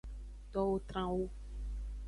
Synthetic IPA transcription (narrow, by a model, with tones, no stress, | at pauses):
t̪ɔ˦wo˦t̪ɾã˦wo˦